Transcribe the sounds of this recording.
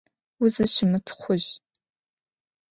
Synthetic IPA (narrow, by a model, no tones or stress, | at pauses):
ʊzɨʃɪmɨtʰχʷʊʑ